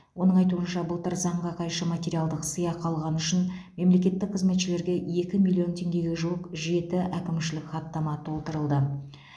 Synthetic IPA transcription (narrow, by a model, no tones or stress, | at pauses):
wʔo̞nəɴɑjt̪uənʃɑbəlˠt̪əɾzɑɴʁɑqʰɑjʃəmat̪ʲeɾijalˠd̪əqsəjɑqʰɑlˠʁɑnʏʃɪnme̞mle̞kʲe̞t̪ːɪk̚qʰəzme̞t̪ʃɪle̞ɾɡʲe̞je̞kʲɪmilʲˠio̞nt̪ʰe̞ŋɡʲe̞ɡʲe̞ʒuəqʒe̞t̪ɪʔækʲɪmʃɪlɪkʲχɑt̪ːɑmɑt̪ʰo̞lˠt̪əɾəlˠd̪ə